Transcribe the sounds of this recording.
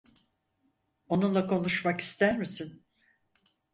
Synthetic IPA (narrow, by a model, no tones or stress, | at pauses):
o̞nunlˠakʰo̞nuʃmaki̥st̪æɾmisin